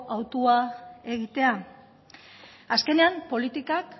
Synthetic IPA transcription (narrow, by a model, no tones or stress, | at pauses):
ʔawt̪uae̞ɣ̞it̪e̞a | aske̞ne̞ampo̞lit̪ikak